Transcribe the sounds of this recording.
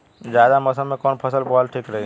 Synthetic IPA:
d͡ʒjaːd̪aməsəmẽkɔːnpʰəsəlpɔːlʈʰiːkɾəɦi

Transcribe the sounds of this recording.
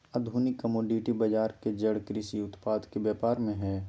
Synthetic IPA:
ɐd̪ʱuːnɪkːəmoːɖiʈibɐd͡ʒaːɾked͡ʒɐɽkɾɪsiʊt̪paːd̪kebjɛːpaːɾmẽɦɛː

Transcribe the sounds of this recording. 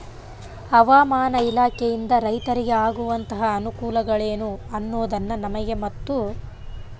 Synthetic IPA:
ɐʋaːmaːnɐilaːkʰejind̪ɐɾɐjt̪ɐɾiɡeaːɡuʋɐnt̪ɐɦɐːnukuːlɐɡɐɭeːnuɐnːuːd̪ɐnːɐnɐmɛɡemɐt̪ːu

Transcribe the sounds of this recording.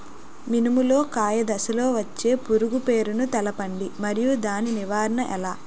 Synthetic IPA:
minimulo̞ːkaːjɐd̪ɐsɐlo̞ːʋɐt͡ʃːe̞ːpuɾuɡupe̞ːɾunut̪ɛlɐpɐɳɖimɐɾijud̪aːniniʋaːɾɐɳɐʔɛlaː

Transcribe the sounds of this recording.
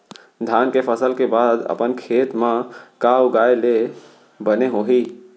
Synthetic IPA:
d̪ʱankepʰəsəlkebad̪ə̰pənkʰet̪mãkauɡaele | bəneɦoɦi

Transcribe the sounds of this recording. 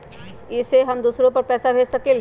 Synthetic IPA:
ɪseɦɐmd̪uːsɾõpɐɾpɛːsabʱeːt͡ʃsɐkɪl

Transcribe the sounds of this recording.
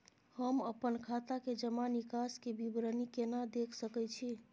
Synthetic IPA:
həməpənkʰat̪aked͡ʒəmanikaskebibɾənikenad̪ekʰsəkɛt͡ʃʰi

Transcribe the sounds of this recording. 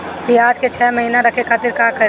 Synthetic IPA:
kiaːd͡ʒket͡ʃʰɛːmɐɦiːnaɾɐkʰekʰaːt̪ɪɾkaːkəɾ

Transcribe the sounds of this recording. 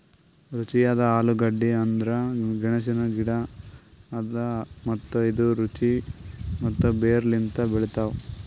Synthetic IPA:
ɾut͡ʃijaːd̪ɐaːluɡɐɖːiɐnd̪ɾɐɡɐɳɐs̬inɐɡiɽɐː | d̪ɐmɐt̪ːuid̪uɾut͡ʃimɐt̪ːubeːɾlint̪ɐbeɭit̪aːʋu

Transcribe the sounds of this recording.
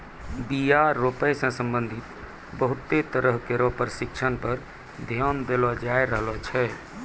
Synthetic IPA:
bijaɾopəjsə̃sə̃mbənd̪ʱit̪ | bəɦut̪ːet̪əɾəɦkeɾɔpəɾsikt͡ʃʰənpəɾ | d̪ʱjɔnd̪elɔd͡ʒaeɾəɦlɔt͡ʃʰɛ

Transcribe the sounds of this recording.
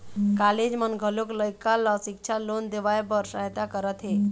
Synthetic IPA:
kaled͡ʑmənɡʱəlokləjkalːɔsik̚t͡ʃʰalond̪eʋajbəɾsaɦt̪akəɾət̪ɦe

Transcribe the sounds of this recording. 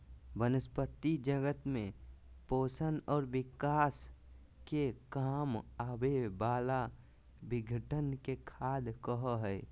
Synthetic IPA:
bənəspət̪ːid͡ʒəɡət̪mẽpoːsənɔːɾbɪkaːs | kekaːmabebaːla | bɪɡʱəʈənkekʰaːd̪kəɦəɦɛː

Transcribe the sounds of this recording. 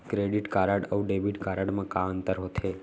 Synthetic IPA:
kɾeɖiʈkaɾəɽəuɖebiʈkaɾaɽmãkaənt̪əɾɦot̪ʰe

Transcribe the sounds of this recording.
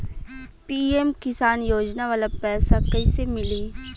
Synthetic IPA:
piːemkɪsaːnjoːd͡ʒnaʋaːlapɛːsakɐisemɪliː

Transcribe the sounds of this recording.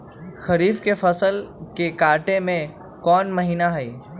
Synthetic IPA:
xəɾiːfkefəsəlkekaːɾʈemẽ | kɔːnməɦiːnaɦəiː

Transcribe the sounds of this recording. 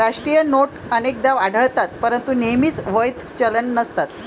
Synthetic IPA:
ɾaʂʈɾijənoʈənek̚d̪aʋaɽʱəɭt̪at̪pəɾənt̪unemiːt͡sʋəjt̪ʰt͡ɕələnːəst̪at̪

